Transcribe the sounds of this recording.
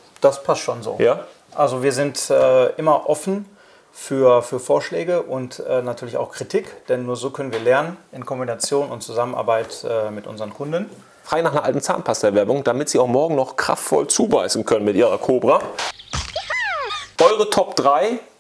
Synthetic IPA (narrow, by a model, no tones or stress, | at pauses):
d̥aspʰastʃoːnzo̰ːjaː | ʔalzoviːɐzɪntʔɛːʔɪmɐʔɔfn̩ | fyːɐfyːɐfoːɐʃlɛːɡəʔʊntɛːnatʰyːɐlɪçaʊxkʁ̥itʰikd̥ɛnːuːɐzoːkʰœnənviːɐlɛɐnənɪnkʰɔmbinat͡sjoːnʊntt͡suzamənʔa̰ɐbaɪtʔɛːmɪtʔʊ̰nzəʁənkʰʊndn | fʁ̥aːɡnaːχnɐʔa̰ltn̩t͡sa̰ːnpʰasdɛɐvɛɐbʊŋd̥amɪtz̥iːaʊxmɔɐɡŋ̩nɔχkʁ̥a̰ftfɔ̰lt͡suːbaɪsn̩kʰœnənmɪtʔiːʁɐkʰoːbʁa | ʔɔʏʁətʰɔpd̥ʁaɪ